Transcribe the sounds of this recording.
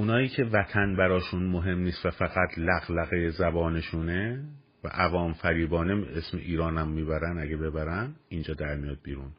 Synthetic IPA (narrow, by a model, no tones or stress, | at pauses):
ʔunɒːiːcʰe̞væt̪ʰænbæɾɒːʃunmoɦe̞mniːst̪væfæɣæt̪ʰlæɣlæɣejezæbɒːne̞ʃune | væ̰ʔævɒːmfæɾiːbɒːnemesmḛʔiːɾɒːnæmːiːbæɾænæɡebe̞bæɾænind͡ʒɒːd̪æɾmijɒd̪̚biːɾun